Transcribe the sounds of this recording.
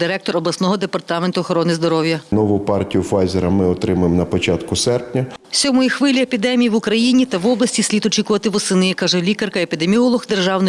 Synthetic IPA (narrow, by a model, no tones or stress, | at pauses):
d̪ɪɾɛk̚t̪ɔɾɔblˠɐsnɔɦɔd̪epɐrt̪ɑment̪ʊɔxɔɾɔnɪzd̪ɔɾɔwjɐnɔʋʊpɑrtʲijʊfajzeɾɐmɪɔt̪ɾɪmɐemnɐpɔt͡ʃɑt̪kʊsɛrpnʲɐsʲɔmɔjixʋɪlʲiepʲid̪ɛmʲijiʋʊkɾɐjinʲit̪ɐʋɔblˠɐsʲtʲisʲlʲit̪ɔt͡ʃʲikʊʋɐt̪ɪʋɔsɪnɪkɑʒɛlʲikɐrkɐepʲid̪emʲiɔlˠɔɣd̪erʒɑwnɔ